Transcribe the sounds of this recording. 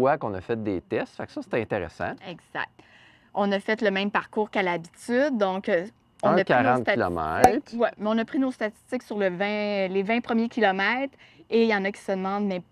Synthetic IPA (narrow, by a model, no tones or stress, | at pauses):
wakɔ̃nəfɛt̪̚d̪et̪ɛst̪faksʌse̥t̪ɛɛ̃t̪eʁḛsɑ̰̃ɛɡz̥a̰k̚t̪ | ɔ̃nəfɛt̪ləmɛ̃mpaʁkuːʁkalabit̪yd̪̚ːɔ̃k | ɔ̃napkʲaʁɑ̃t̪t̪alɔ̰mɛ̰ɪt̪wɛmɛɔ̃nəpχinost̪at̪i̥st̪ɪksyʁləvɛ̃levɛ̃pχəmjekʲilɔmɛɪt̪χ | ejɑ̃ːnakʲi̥səd̪əmɑ̃d̪mɛ